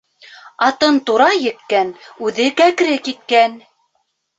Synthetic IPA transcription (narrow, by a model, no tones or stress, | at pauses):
ɑt̪ɤnt̪uɾɑjɘ̆kːænʉðɘkækɾɘkit̪̚kæn